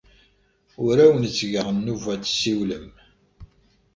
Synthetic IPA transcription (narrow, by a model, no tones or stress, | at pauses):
ʊɾæwənt͡sːʝəʁənːuvæt͡sːsiwləm